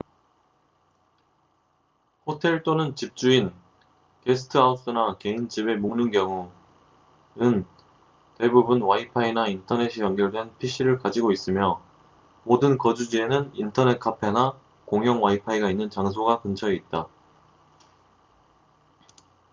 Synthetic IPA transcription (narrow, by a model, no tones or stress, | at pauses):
hotʰe̞ɭt͈onɯnt͡ɕip̚t͡ɕ͈uin | ke̞sʰɯ̥tʰɯaus͈ɯnake̞int͡ɕibe̞munɯnkjʌŋu | nɯn | te̞bubunwaipʰainaintʰʌne̞ɕʰijʌŋɡjʌɭdwenpʰiɕ͈ʰiɾɯɭkad͡ʑiɡois͈ɯmjʌ | modɯnkʌd͡ʑud͡ʑie̞nɯnintʰʌne̞t̚kʰapʰena | koŋjʌŋwaipʰaiɡainːɯnt͡ɕaŋsʰoɡakɯnt͡ɕʰʌiit̚t͈a